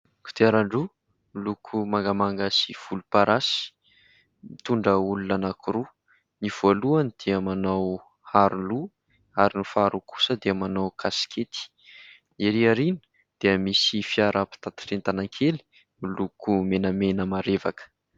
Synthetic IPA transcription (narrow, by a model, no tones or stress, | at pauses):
kʰu̥t̪eaɾaɳɖ͡ʐu | lukʰumaŋɡamaŋɡasiv̥ulupaɾʔasi̥ | it̪uɳɖ͡ʐəulunanakuɾu | niv̥oaluanid̪̥eamanaw | haɾulu | aɾinufaɾuku̥səd̪eamanawkʰaskʰet̪i̥ | neɾiaɾinə̥ | d̪̥eəmisifiaɾʔapi̥t̪at̪i̥rent̪anaŋkʰeli̥ | ilukumenəmenəmaɾevakə̥